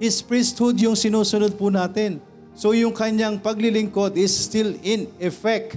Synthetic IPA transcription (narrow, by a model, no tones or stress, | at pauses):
ʔɪspɹɪst̪hʊd̪jʊŋsɪnuːsʊnod̪̚pʊnaːt̪ɛn | sojʊŋkɐɲaŋpɐɡlɪlɪŋkod̪ɪsːt̪ɪlɪnɛfɛk̚t̪